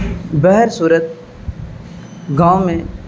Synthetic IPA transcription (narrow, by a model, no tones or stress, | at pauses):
bɛɦɾsuːɾət̪̚ | ɡãːʊ̃mẽ